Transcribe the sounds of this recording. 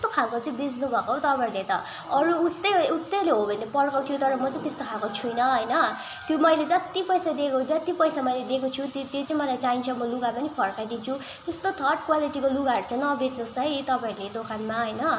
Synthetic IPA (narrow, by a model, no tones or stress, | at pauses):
t̪okʰalkot͡saĩbed͡znubʱʌkot̪ʌpaĩlet̪ʌ | ʌɾuːst̪ʌjust̪eleɦobʱʌnːepʌlkat̪ʰjot̪ʌɾʌmʌt͡sʌ̃ĩt̪est̪okʰalkot͡sʰujnʌɦʌjnʌ | t̪jomʌjled͡zʌt̪ipʌjsad̪ekot͡sʌt̪ipʌjsamʌjled̪ekot͡sʰut̪t̪jet͡saĩmʌlajt͡saĩnt͡sʰʌmʌluɡapʌnipʰʌɾkajd̪int͡sʰu | t̪est̪ot̪ʰʌʈ̚kwaliʈikoluɡaɦʌɾut͡sʰʌnʌbʱet̪nusʌɦit̪ʌpaĩled̪okanmaɦʌjnʌ